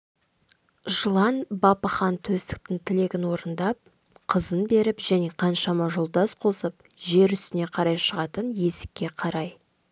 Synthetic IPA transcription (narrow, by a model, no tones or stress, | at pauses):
ʒəlˠɑnbɑpɑχɑnt̪ʰɵst̪ɪ̥k̚t̪ɪŋt̪ʰɪle̞ɡʲɪnwo̞ɾənd̪ɑp̚ | qʰəzənbe̞ɾɪpʒ̥æne̞qʰɑnʃɑmɑʒolˠd̪ɑsqʰo̞səp̚ | ʒe̞ɾʏst̪ɪne̞qʰɑɾɑjʃəʁɑt̪ənje̞sɪ̥kʲːe̞qʰɑɾɑj